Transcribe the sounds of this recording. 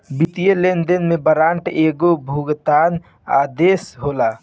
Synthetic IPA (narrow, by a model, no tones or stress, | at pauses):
bit̪ijelend̪enmẽbəɾaːɳʈeːɡobʱuɡt̪aːn | aːd̪eːsɦoːlaː